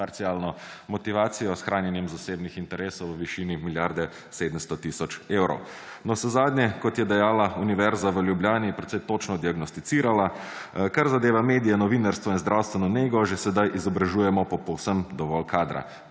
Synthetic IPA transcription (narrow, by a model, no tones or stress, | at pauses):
paɾt̪sialnɔ | mɔt̪iʋaːt̪sijɔsxɾʔaːnjɛnjɛmzaseːbnixint̪ɛɾeːsɔwʋəʋiʃiːnimiljaɾd̪ɛ | seːd̪əmst̪ɔt̪isɔt͡ʃeːwɾɔ̰w | nɔsɛzaːd̪nɲɛkɔt̪jɛd̪ɛjaːlauniʋɛɾzaʋəljubljaːnipɾɛt̪sɛjt̪ot͡ʃnɔd̪iaɡnɔst̪it̪siːɾalakaɾzad̪eːʋameːd̪ijɛnɔʋiːnaɾst̪ʋɔinzd̪ɾʔawst̪ʋɛnɔneːɡɔʒɛsɛd̪ajʔizɔbɾaʒuːjɛmɔpɔpɔwsəmd̪ɔʋɔlkʰaːd̪ɾa̰